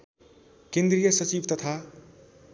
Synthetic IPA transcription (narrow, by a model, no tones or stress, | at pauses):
kend̪rijʌsʌt͡sibt̪ʌt̪ʰa